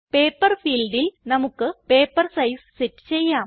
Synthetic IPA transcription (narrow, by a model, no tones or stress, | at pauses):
peːpːɐrfiːlɖilnɐmukːɨpe̞ːpːɐrsɐjssitːɨ̥t͡ɕe̞jːaːm